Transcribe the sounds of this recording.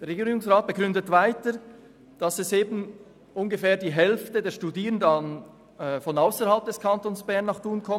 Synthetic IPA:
d̥eːɐɾʁeɡiːʁɪɡʊŋsʁaːt̚b̥əɡʁʏndətvaɪtə | d̥ɑsɛseːbn̩ | ʔʊnɡəfɛːɐdiːɦɛlftədeːɐʃtudiːʁəndɑnː | fɔnaʊsəɾhɑlp̚d̥ɛskʰɑntoːnsb̥ɛʁnːɑχd̥uːnkʰɔm

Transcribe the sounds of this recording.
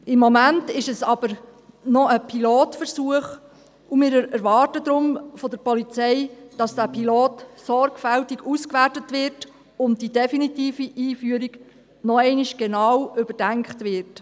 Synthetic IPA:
ɪmːɔmæntɪʃɛsɑb̥əɾ | nɔəpʰiloːtfəɾsuəχ | umɪːɾɛɾɛɾʋɑːɾtəd̪ɾʊmfɔdəɾpɔlit͡sɛɪd̥ɑsd̥æːpʰiloːtsɔɾɡ̥fæltiɡuskʋætətʋɪɾt | ʊntdidɛfinitiːfiʔiːfyəɾiɡ̥ | nɔɛɪniʃɡ̥enɑwʏbəɾd̥æŋkχtʋɪɾt

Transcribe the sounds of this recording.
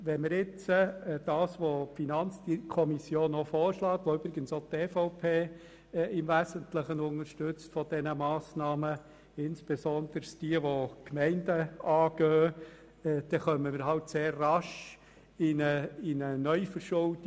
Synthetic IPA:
ʋɛnməɾɪt͡səd̥ɑːsʋopfinɑnt͡sdikʰɔmisjoːnofɔːɾʃlɑːkʋoʏbɾɪɡənsot̪ːeːfɔʊpʰeː | ɪmʋæzəntləχənʊnəɾʃtʏt͡stfɔd̥ɛnəmɑːsnɑːmə | ɪnsb̥ezɔnd̥̪əɾsd̥iəʋokmɛɪndəɑːɡ̥œː | d̥ɛχœməməɾɦɑltseːrːɑʃ | ɪnəinənœʏfəɾʃʊld

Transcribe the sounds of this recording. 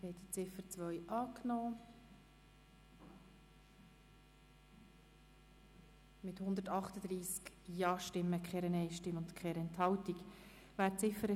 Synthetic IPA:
hɛd̪it͡sɪfəɾt͡sʋœʏʔɑːknoː | mɪthʊnd̪əɾtɑχt̪əd̥̪ɾiːsk | jɑːʃtɪmːəkχɛɾɛnɛɪʃtɪmʊntkχɛːɾɛnthɑwtik | væːɾt͡sɪfəɾə

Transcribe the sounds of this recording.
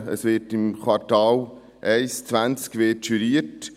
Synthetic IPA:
ə̰sʋɪtɪmkwɑɾtɑːl | ʔɛɪst͡sʋænt͡skʋɪːtʃyɾiːət

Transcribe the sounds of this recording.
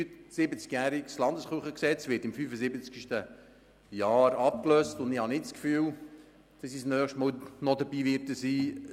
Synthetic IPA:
sɪbət͡skjæːɾikslɑndəsχuχəksɛt͡sʋɪtɪmfyːfəsɪbət͡skʃtə | jɑːɾɑp̚kløːstʊndɪhɑnɪtskfyːw | d̪̥ɑsisnœːχʃtmɔːlnɔd̪əbiːʋɪtəsiː

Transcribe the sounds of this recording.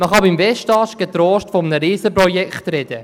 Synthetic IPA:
məχɑbimvɛʃtɑːʃɡ̥et̪ɾoːʃtfɔmənəɾiːsəpɾɔjɛkχt̪ɾɛd̥̪ə

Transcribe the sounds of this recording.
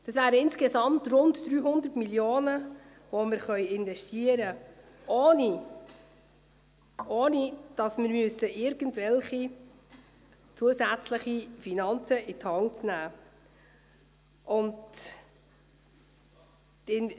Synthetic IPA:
d̥ɑsvæːɾəɪnsɡesɑmtrʊndd̥̪ɾyːɦʊnd̪ərtmiljoːnə | ʋomɪɾχœʏɪnvɛʃtiəɾə | oːni | ʔoːnid̥ɑsmɪɾmʏsːəʔɪɾɡ̥əntvɛlχi | t͡suəzæt͡sləχifinɑnt͡səithɑŋt͡snæː | ʔʊnd | tɪn

